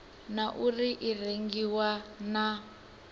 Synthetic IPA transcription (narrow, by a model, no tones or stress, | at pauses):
naʔuriʔireŋɡiwana